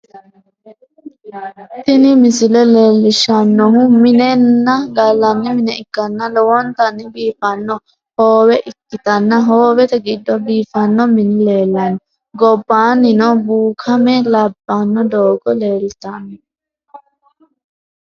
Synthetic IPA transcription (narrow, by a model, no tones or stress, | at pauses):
t̪ɪnɪmɪsɪlɛleːlːɪʃɐnːɔhʊmɪnɛnːɐɡɐlːɐnːɪmɪnɛɪkːɐnːɐlɔwɔnt̪ɐnːɪbiːfɐnːɔ | hoːwɛʔɪkːɪt̪ɐnːɐɦoːwɛt̪ɛɡɪd̪ːɔbiːfɐnːɔmɪnɪle̞ːlːɐnːɔ | ɡɔbːaːnɪnɔbuːkʰɐmɛlɐbːɐnːɔd̪oːɡɔle̞ːlt̪ɐnːɔ